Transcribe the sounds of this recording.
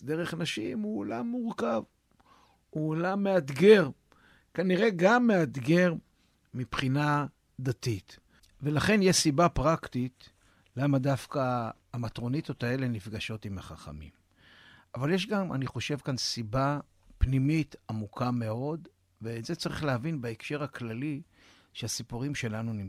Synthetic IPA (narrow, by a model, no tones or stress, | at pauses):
d̪eʁeχanaʃimuola̰mːuʁkav | uːlamːead̪ɡe̞ʁ | kaniʁe̞ɡamːe̞ad̪ɡe̞ʁ | mipχina | d̪at̪it̪ | ve̞laχe̞njeʃsibapʁakt̪it̪ | lamadafkaː | mat̪ʁo̞nit̪o̞t̪ae̞le̞nifɡaʃo̞timaχaχa̰mḭm | avaljeʃ̬ɡama̰niχo̞ʃe̞vkansiba | pnimitamukʰame̞o̞d | veːze̞t͡saʁiχlehavinbaekʃe̞ʁaklali | ʃeasipuʁimʃe̞lanunim